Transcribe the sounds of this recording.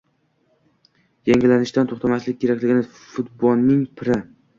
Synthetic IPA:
jaŋʲɪlanɪʃt̪ant̪ʰoχt̪ʰamaslɪk̚ʲkʰʲːe̞ɾakʲlɪɡʲɪnɪ | fʊt̪bɒlˠːɪŋpʰɪɾɪ

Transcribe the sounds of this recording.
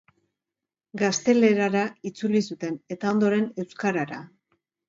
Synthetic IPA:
ɡast̪e̞le̞ɾaɾait͡sulisut̪e̞ne̞t̪ao̞nd̪o̞ɾe̞ne̞wskaɾaɾa

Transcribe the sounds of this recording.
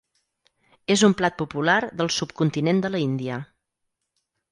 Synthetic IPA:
ezumplat̪̚pupulaɾðəlˠsupkunt̪inend̪ələind̪iə

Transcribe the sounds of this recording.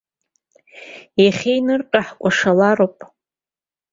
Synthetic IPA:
jaχʲejnɨrʈ͡ʂʼaħkʷʼaʂalaɾowpʼ

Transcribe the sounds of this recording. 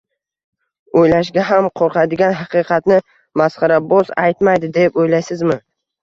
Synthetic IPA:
ojlaʃ̬ɡʲaɦamqʰoɾqʰɑd̪ɪɡʲanɦɑqɨqʰɑt̪nɪ | masχɑɾabozajt̪majd̪ɪd̪e̞pojlajsɪzmɪ

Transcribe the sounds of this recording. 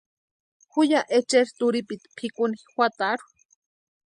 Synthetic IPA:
xujaʔet͡ʃeɾt̪uɾipit̪pʰikunixʷwat̪aɾu̥

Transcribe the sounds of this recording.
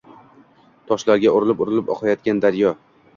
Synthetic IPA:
t̪ʰɒʃlaɾɡʲaʊɾɪlɪpʊɾɪlɪpɒ̰q̪jɒt̪̚ɡʲand̪aɾjɒ

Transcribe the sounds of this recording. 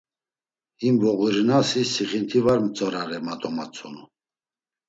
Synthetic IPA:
imvɔɣiɾnasisiχint̪ʰivaɾmət͡sʼɔɾaɾɛmat̪ʼɔmat͡sʰɔnu

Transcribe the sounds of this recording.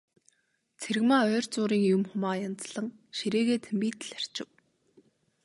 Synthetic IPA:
t͡sʰeɾ̆ɣmaːœːrʲt͡sʊːɾiːŋjʊmχʊmaːjant͡sɮə̆ŋʃiɾeːɣeːt̪ʰempiːt̪ɘ̆ɮar̥t͡ɕɪ̆w

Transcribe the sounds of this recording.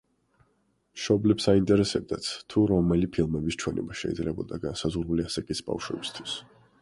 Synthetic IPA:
ʃɔblɛpsaint̪ʼɛɾɛsɛb̚d̪at̪sʰt̪ʰuɾɔmɛlipʰilˠmɛbist͡ʃʰwɛnɛ̰baʃɛ̰id̪zlɛbɔd̪aɡansazʁuɾuliasakʼisba̰fʃwɛ̰bist̪ʰwis

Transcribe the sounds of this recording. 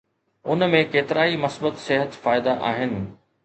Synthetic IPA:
ʊnmẽkeːt̪ɪɾaːimɐsbət̪seɦət̪faːɪd̪aʔa̰ːɦɪnɪ̆

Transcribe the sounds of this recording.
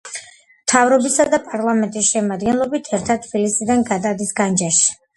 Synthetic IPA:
mt̪ʰavɾɔbisad̪apʼaɾlˠamɛnt̪ʼisʃɛmad̪ɡɛnlˠɔbit̪ʰɛɾt̪ʰat̪ʰb̥ilisid̪anɡad̪ad̪isɡand͡ʒaʃi̥

